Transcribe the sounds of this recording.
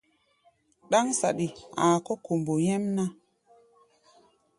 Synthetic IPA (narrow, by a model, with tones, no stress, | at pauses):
ɗa˦ŋsa̰˨ɗi˨aː˨ko˦ko˨mbo˨je˦mna˦